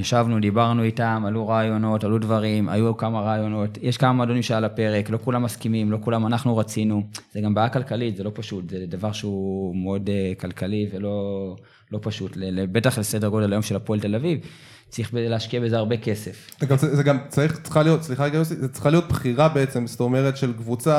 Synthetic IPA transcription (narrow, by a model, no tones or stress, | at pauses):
jaʃavnudibaʁnuitamajuʁaːjo̞no̞tajudvaʁimʔa̰jukamaʁaːjo̞no̞tjeʃkamamado̞nimʃealape̞ʁe̞klo̞kulamːaskimimlo̞kulamanaχnuʁat͡sinuz̥eɡambaːjakalkalitze̞lo̞paʃutzedavaʁʃeumeo̞dekalkʰalivelo̞ | lo̞paʃutlelebe̞taχlese̞deʁɡo̞delajo̞mʃe̞lapoelte̞laviv | t͡sʁiχbezeleaʃkiabe̞zeaʁbe̞ke̞se̞fzeɡamzeɡamt͡saʁiχt͡sχalijotsliχaɡaosizet͡sχalijo̞t̪̚bχiʁabeet͡semst̪omeʁetʃelkvut͡sa